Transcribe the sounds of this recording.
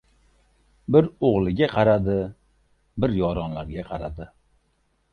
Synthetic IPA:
bɪɾoʁlˠɪɡʲaqʰɑɾad̪ɪ | bɪɾjɒɾɒnlaɾɡʲaqʰɑɾad̪ɪ

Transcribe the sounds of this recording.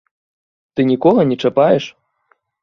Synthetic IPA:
t̪ɨnʲikɔɣɐnʲɛt͡ʂapajɛʂ

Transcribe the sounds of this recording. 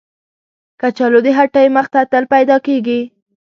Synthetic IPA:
kat͡ʃɑlod̪əɦaʈəjməxt̪at̪əlpajd̪ɑkeɡi

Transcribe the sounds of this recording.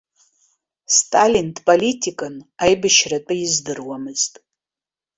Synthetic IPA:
stʰʼalintʰʼpʼolitʰikʼɨnajbɨʃrat͡pʼɨɪzdɨrwamɨz̥tʼ

